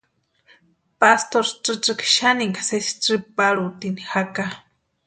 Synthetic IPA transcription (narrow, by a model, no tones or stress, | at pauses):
past̪oɾʈ͡ʂɨʈ͡ʂɨkʃaniŋkasesi̥ʈ͡ʂɨpaɺut̪inixaka